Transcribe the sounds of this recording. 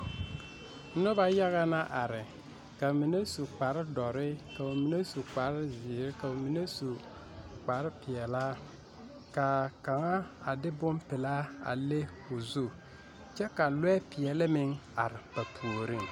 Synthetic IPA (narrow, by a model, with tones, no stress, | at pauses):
nʊ˦ba˦ja˦ɣa˦na˦ʔa˨ɾɪ˨ | ka˨mi˨ne˦su˨k͡pa˨ɾɪ˦dɔ˨ɾɪ˦ka˨o˨mi˨ne˦su˨k͡pa˨ɾɪ˦zɪː˨ɾɪ˦ka˨o˨mi˨ne˦su˨ | k͡pa˨ɾɪ˦pɪ˨ɛ˨la˦ | ka˨ka˨ŋa˦a˨dɪ˦bʊ˦mpɪ˨la˦a̰˨le˦ | ʊ˨zu˦˨ | t͡ʃɛ˦ka˨lwɛ˦pɪ˨ɛ˨lɪ˦mɪ˦ŋa˨ɾɪ˨ba˨pʰu˨o˨ɾɪ˦˨ŋ